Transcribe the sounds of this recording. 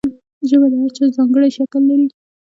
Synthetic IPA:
ʒəmelawat͡ʃɑzɑŋɡəɽajʃakəlːaɾi

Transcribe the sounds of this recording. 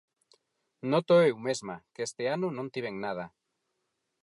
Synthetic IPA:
not̪oewmezmakest̪eanunõnt̪iβeŋnað̞a

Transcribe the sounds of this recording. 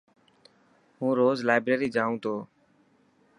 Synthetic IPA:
ɦũːɾoːzlaːɪbɾeːɾiːd͡ʒaːũːt̪ʰoː

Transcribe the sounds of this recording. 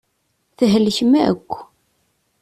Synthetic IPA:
θəɦələçmæə̰kʷː

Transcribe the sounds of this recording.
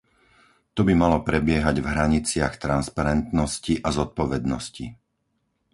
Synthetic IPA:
t̪ɔbimalɔpɾɛbɪɛɦaɟvɦɾaɲit͡sɪaxt̪ɾanspaɾɛnt̪nɔsciʔazɔt̪̚pɔʋɛd̪nɔsci

